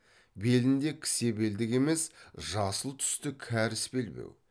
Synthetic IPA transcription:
be̞lɪnd̪e̞kʲʰɪ̥se̞be̞ld̪ɪke̞me̞sʒɑsəlˠt̪ʰʏ̥st̪ɪkʲʰæɾɪsbe̞lbḛw

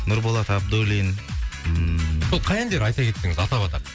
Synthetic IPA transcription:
nʊɾbolˠɑt̪ʰɑp̚d̪olin | solˠqʰɑjɑnd̪eɾɑjt̪ɑkʰʲe̞t̪ːɪŋɪzɑt̪ɑβɑt̪ɑɾ

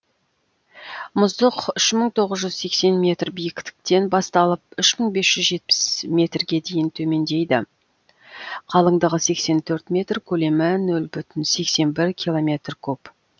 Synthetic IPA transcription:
mʊzd̪əqʏʃməɴt̪ʰo̞ʁəzʒʏz̥se̞kse̞nmʲe̞t̪rbijɪkʲt̪ɪ̥k̚t̪e̞nbɑst̪ɑlˠəp̚ʏʃməɴbe̞sʒ̥ʏzʒe̞t̪̚pɪ̥smʲe̞t̪rɡʲe̞d̪e̞jɪnt̪ʰɵme̞nd̪e̞jd̪ɪ | qʰɑlˠəɴd̪əʁəse̞kse̞nt̪ʰɵɾt̪mʲe̞t̪rkʲʰɵle̞mɪnɵlbʏt̪ɪnse̞kse̞nbɪɾkʲʰilˠo̞mʲe̞t̪rkʲʰɵp

